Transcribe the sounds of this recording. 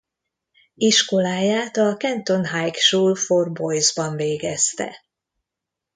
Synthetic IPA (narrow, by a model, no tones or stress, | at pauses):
iʃko̞laːjaːt̪ɒkɛnt̪o̞nɦajkʃuːlforbo̞jzbɒɱveːɡɛst̪ɛ̰